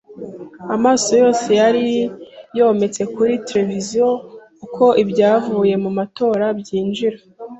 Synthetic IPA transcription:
amaːso̞jo̞ːse̞jaɾijo̞ːme̞t͡se̞kuɾiteɾe̞vizijokukʰo̞ʔibɟaːvuːje̞mumato̞ːɾabɟiːnd͡ʒiɾa

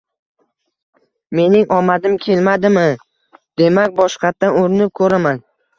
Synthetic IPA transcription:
me̞nɪŋʔɒmad̪ɪmkʲʰe̞lmad̪ɪmɪ | d̪̥e̞mak̚ʲbɒʃqʰɑt̪̚ːanoɾɪnɪp̚kʰɵɾaman

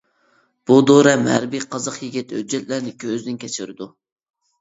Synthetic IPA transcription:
b̥ud̪oɾɛmhæɾbijqʰɑzɑqjiɡʲit̪hø̰d͡ʒːɛt̪̚læɾnɪkʲʰøzd̪ɪnkʲʰɛt͡ʃʰɪɾɪd̪u

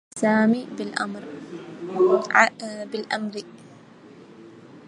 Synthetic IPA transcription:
saːmiːbɪlʔa̰mɾ | bɪlʔamɾ

